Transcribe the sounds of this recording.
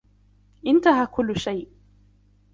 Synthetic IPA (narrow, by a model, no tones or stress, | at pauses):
ʔɪnt̪aɦaːkʊlːʊʃajʔ